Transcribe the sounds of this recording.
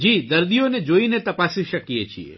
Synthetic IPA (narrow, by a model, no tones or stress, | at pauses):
d͡ʒiːd̪ɐɾd̪ijoned͡ʒoinet̪ɐpasiʃəkijet͡ʃʰḭḛ